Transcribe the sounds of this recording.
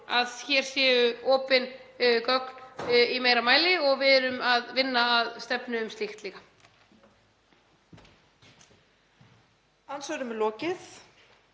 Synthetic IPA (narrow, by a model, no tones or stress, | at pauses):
aðçjɛːɾ̥sjɛːvʏɔːpɪnkœknimeːjɾamaːjlɪɔɣvɪðɛɾʏmaðvɪnːaːðst̪ɛpnʏʏmst̪ɪxt̪liːɣa | ansœɣɾʏmɛlɔːcɪθ